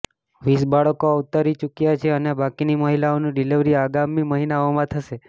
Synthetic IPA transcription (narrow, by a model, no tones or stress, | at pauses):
ʋisbaɭəkout̪aɾit͡ʃukjat͡ʃʰeənebakiniməɦilaonũɖiliʋɾiaɡamiməɦinaomãt̪ʰəʃe